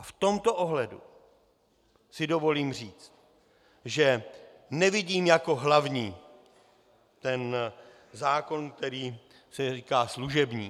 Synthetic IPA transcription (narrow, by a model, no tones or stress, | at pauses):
aft̪o̞mt̪o̞ʔo̞ɦlɛdṵ | sɪdo̞vo̞liːmr̝iːt͡st̪̚ | ʒɛ | nɛvɪɟiːmjako̞ɦlavɲiː | t̪ɛn | zaːko̞nk̚t̪ɛɾiː | sɛriːkaːsluʒɛbɲiː